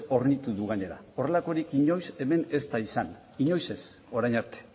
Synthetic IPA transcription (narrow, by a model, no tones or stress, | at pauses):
o̞ɾnit̪uðuɣ̞aɲe̞ɾa̰o̞re̞lako̞ɾikiɲo̞jse̞me̞ne̞st̪aisan | iɲo̞jse̞s | o̞ɾajɲaɾt̪e̥